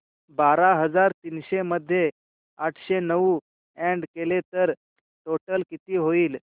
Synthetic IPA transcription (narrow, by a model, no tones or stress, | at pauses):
baɾaɦəd͡zaɾt̪iːnɕeməd̪ʱːje | aʈʰɕenəʋu | eɳɖkelet̪əɾ | ʈoʈəlkit̪iːɦoiːl